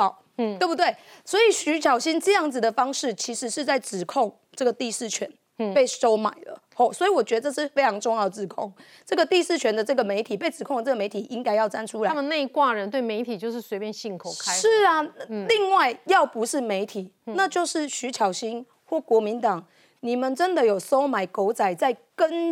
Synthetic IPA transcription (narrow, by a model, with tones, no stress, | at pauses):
we˥˩bu˧˩t̪we˥˩ɪswɔ˧˥i˨˩ɕy˧˥t͡ɕʰjɑ˨˩ʊɕi˥nʈ͡ʂɤ˥˧jɑ˥˩ŋd͡zɹ̩˨˩d̪ə˩fɑ˥ŋʂɻ̩˥˩t͡ɕʰi˧˥ʂɻ̩˧˥ʂɻ̩˥˧t͡sa˥˩ɪʈ͡ʂɻ̩˨˩kʰo˥˩ŋ | ʈ͡ʂɤ˥˩ɡə˩t̪i˥˧ʂɻ̩˥˩t͡ɕʰɥɛ˧˦n | pe˥˩ɪʂo˥ʊma̰˨˩ɪlə̰˩˦xɔ˨˩swɔ˧˥i˨wɔ˨˩t͡ɕɥɛ˧˥d̪ə˧ʈ͡ʂɤ˥˧ʂɻ̩˥˩fe˥ɪʈ͡ʂʰɑ˧˥ŋʈ͡ʂʊ˥˧ŋjɑ˥˩d̪ə˩ʈ͡ʂɻ̩˨˩kʰo˥˨˩ŋ | ʈ͡ʂɤ˥˩ɡə˩t̪i˥˧ʂɻ̩˥˩t͡ɕʰɥɛ˧˥nd̪ə˨ʈ͡ʂɤ˥˩ɡə˩˨me˧˦ɪt̪ʰi˨˩pe˥˩ɪʈ͡ʂɻ̩˨˩kʰo˥˧ŋə˩ʈ͡ʂɤ˥˩ɡə˨me˧˥ɪt̪ʰi˨˩ʔi˦ŋka˥ɪjɑ˥˩ʊt͡sa˥nʈ͡ʂʰu˥la˨˦mə˨na˥˧i˥kwa˥˨ɻə˧˦nt̪we˥˩ɪme˧˥ɪt̪ʰi˨˩t͡ɕjo˥˧ʊʂɻ̩˥˩swe˧˥ɪpjɛ˥nɕi˥˩ŋkʰo˨˩ʊkʰa˦ʂɻ̩˥˩ɐ˩˥li˥˧ŋwa˥˩ɪjɑ˥˩ʊpu˧˦ʂɻ̩˥˩me˧˥ɪt̪ʰi˨˩˦na˥˧t͡ɕjo˥˧ʊʂɻ̩˥˩ɕy˧˥t͡ɕʰjɑ˨˩ʊɕi˥n | xwɔ˥˩kwɔ˧˥mi˧˦nt̪ɑ˨˩ŋ | ni˨˩mə˨nʈ͡ʂə˦nd̪ə˨jo˨˩ʊso˦ʊma˨˩ɪko˧˥ʊt͡sa˨˩ɪt͡sa˥˩ɪkə˦n